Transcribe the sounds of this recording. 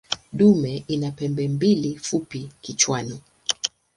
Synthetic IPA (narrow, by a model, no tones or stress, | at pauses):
ɗumɛʔinapɛmbɛmbilifupikit͡ʃwani